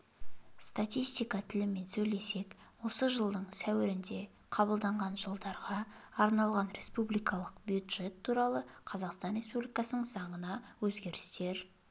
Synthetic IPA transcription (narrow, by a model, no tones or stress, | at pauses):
st̪at̪ijst̪ijkɑt̪ʰɪlɪme̞nsɵjle̞se̞kwo̞səʒəlˠd̪əɴsæwɪɾɪnd̪e̞ | qʰɑbəlˠd̪ɑɴʁɑnʒəlˠd̪ɑɾʁɑːɾnɑlˠʁɑnɾe̞spublijkɑlˠəqbjud̪ʒe̞t̪ʰːuɾɑlˠəqʰɑzɑqst̪ɑnɾʲe̞spublijkɑsənəɴzɑɴənɑwɵzɡʲe̞ɾɪst̪e̞ɾ